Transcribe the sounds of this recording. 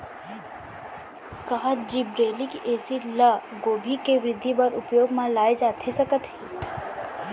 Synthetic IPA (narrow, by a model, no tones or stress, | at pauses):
kaːd͡ʒibɾeːlikiʔɛːsilə | ɡoːbʱikeʋɾɪd̪ʱːibəɾʊpjoːɡmãlaːed͡ʒaːt̪ʰesɐkət̪ɦiː